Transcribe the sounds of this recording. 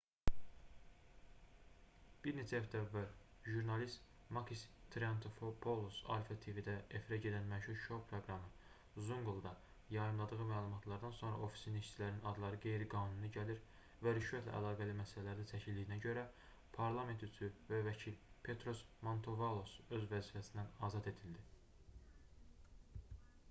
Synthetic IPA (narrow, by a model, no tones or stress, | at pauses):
b̥iɾne̞t͡ʃʰæːfd̪ævːæɾ | ʒuɾnɑlist̪ | mɑkʰist̪ʰɾeɑnt̪ʰofpʰolˠosɑ̰lfɑt̪ʰivid̪æefiɾæɟe̞d̪ænmæʃuɾʃopʰɾoɡɾɑmɯ | zuŋɡlˠd̪ɑ | jɑɾɯmlˠɑd̪ɯɣɯmæːlˠumɑt̪ʰlˠɑɾd̪ɑnso̞nɾɑ̰ʔo̞fi̥siniʃt͡ʃʰilæɾninɑd̪lˠɑɾɯɡe̞jɾiɡɑːnunɯɟæliɾ | væɾyʃvæt̪ʰlæ̰ʔæ̰lˠɑːɡælimæsælælæɾd̪æt͡ʃʰæcʰild̪ijnæɟø̞ɾæ | pʰɑɾlˠɑme̞nt̪yt͡s̪ʰyvævæcʰilpʰe̞t̪ʰɾo̞smo̞nt̪ʰo̞vɑlˠo̞sø̞zvæzifæsind̪ænɑːzɑd̪e̞d̪ild̪i